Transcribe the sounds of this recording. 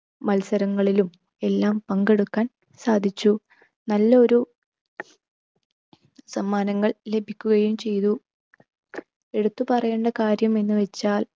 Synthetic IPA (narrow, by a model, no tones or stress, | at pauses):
mɐlsɐɾɐŋːɐɭilum | e̞lːaːmpɐŋɡe̞ɽukːaːn | saːd̪ʱit͡ɕːu | nɐlːɐo̞ɾu | sɐmːaːnɐŋːɐɭle̞bʱikʲːuɣɐjumt͡ɕe̞jt̪u | e̞ɽut̪ːupɐrɐjeːɳɖɐkaːɾjɐme̞nːɨʋet͡ɕːaːl